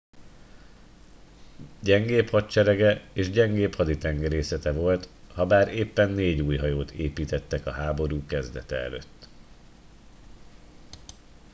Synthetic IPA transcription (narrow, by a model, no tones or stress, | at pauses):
ɟɛŋɡeːphɒtt͡ʃɛɾɛɡɛeːʒɟɛŋɡeːphɒd̪it̪ɛŋɡɛɾeːsɛt̪ɛvo̞lt̪hɒbaːɾeːpːɛnːeːɟuːjɦɒjoːt̪ʰeːpiːt̪ɛt̪ːɛkɒɦaːbo̞ɾuːkɛzd̪ɛt̪ɛɛ̰lø̰t̪ː